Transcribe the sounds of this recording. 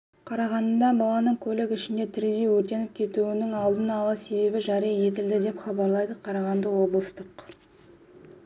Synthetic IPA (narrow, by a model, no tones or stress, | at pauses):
qʰɑɾɑʁɑnd̪ɑbɑlˠɑnəɴkʲʰɵlɪkɪʃɪnd̪e̞t̪ʰɪɾd̪e̞jwɵɾt̪e̞nɪp̚kʲʰe̞t̪uwɪnɪŋɑlˠd̪ənɑlˠɑse̞be̞bɪʒɑɾijɑje̞t̪ɪld̪ɪd̪e̞pχɑbɑɾlˠɑjd̪əqʰɑɾɑʁɑnd̪əwo̞blˠəst̪əq